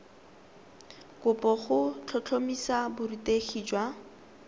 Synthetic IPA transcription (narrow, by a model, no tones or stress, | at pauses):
kʊpʼɔχʊt͡ɬʰɔt͡ɬʰomisabʊriteχiːd͡ʒwa